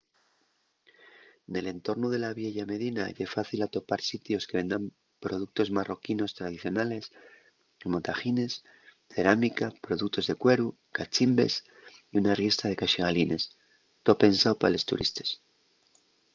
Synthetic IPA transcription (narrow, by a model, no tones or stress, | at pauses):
ne̞le̞nt̪o̞ɾnuð̞e̞laβje̞ʝame̞ð̞inaʝefaθilat̪o̞paɾsit̪jo̞skeβe̞nd̪ɾam | pɾo̞ðuk̚t̪o̞zmaro̞kino̞st̪ɾað̞iθjo̞nale̞s | emot̪axine̞s | θe̞ɾamikapɾo̞ðuk̚t̪o̞zðe̞kwe̞ɾu | kat͡ʃimbe̞̰s | iunarje̞st̪að̞e̞kaʃiɣalinʔe̞s | t̪ope̞nsawpaale̞st̪ṵɾḭst̪e̥s